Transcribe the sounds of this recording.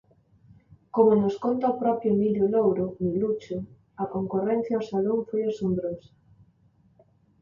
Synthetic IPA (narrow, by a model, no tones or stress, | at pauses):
komonoskont̪aopɾɔpjʊmiljolowɾomilut͡ʃo | ɐkoŋkorɛnθjaosaloŋfojasombɾosḁ